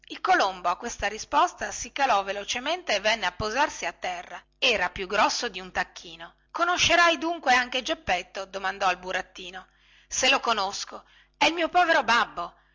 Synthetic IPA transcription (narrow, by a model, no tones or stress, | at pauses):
ilkolomboakːwest̪aɾispost̪asikalɔvelot͡ʃement̪eːvːɛnːeapːozarsiat̪ːɛrːa | ɛːɾapjuɡɾɔsːod̪iunt̪akːiːno | konoʃːeɾajd̪uŋkweaŋk̟ed͡ʒepːet̪ːod̪omand̪ɔilbuɾat̪ːiːno | selokonosko | ɛilmiːopɔːveɾobabːo